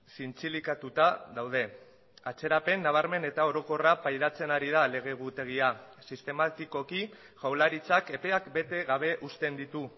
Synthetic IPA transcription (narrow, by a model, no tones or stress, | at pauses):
sint͡silikat̪ut̪aðawð̞e̞ | at͡se̞ɾape̞nːaβ̞aɾme̞ne̞t̪ao̞ɾo̞ko̞rapajðat͡se̞naɾiðale̞ɣ̞e̞ɣ̞ut̪e̞ɣ̞ia | sist̪e̞mat̪iko̞ki | ʝawlaɾit͡sake̞pe̞akbe̞t̪e̞ɣaβ̞e̞ʔust̪e̞nd̪it̪u